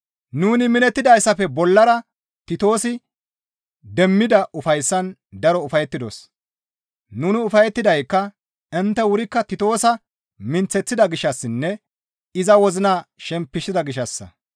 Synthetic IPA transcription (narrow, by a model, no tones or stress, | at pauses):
nuːnɪmɪnɛt̪ːɪd̪ɐjsːɐfɛbɔlːɐɾɐ | t̪ɪt̪o̞ːsɪ | d̪ɛmːɪd̪ɐʊfɐjsːɐn | d̪ɐɾɔʊfɐjɛt̪ːɪd̪o̰s | nuːnɪʊfɐjɛt̪ːɪd̪ɐjkːɐ | ɛnt̪ːɛwʊɾɪkːɐt̪ɪt̪o̞ːsɐ | mɪnt͡sːɛt͡sːɪd̪ɐɡɪʃːɐsːɪnːɛ | ɪzɐwɔzɪnaːʃɛmpːɪʃɪd̪ɐɡɪʃɐsːɐ̰